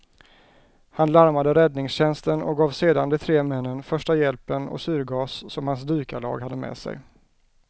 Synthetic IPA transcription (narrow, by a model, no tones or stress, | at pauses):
hanlaɾmad̪əɾɛd̪nɪŋsɕɛnst̪ənɔ̰k̚ɡɑːvseːd̪and̪ɛt̪ʰɾeːmɛnːənfœʂʈajɛlpənɔ̰sy̟ːɾɡɑːsːɔmhansd̪yːkalɑ̰ːɡhad̪ːəmɛ̰ːsɛ̰j